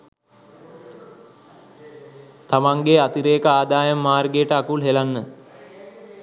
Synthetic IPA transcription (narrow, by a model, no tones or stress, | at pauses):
t̪amaŋɡeat̪iɾeːkəaːd̪aːjəmːaːrɡejʈəakulɦelanːə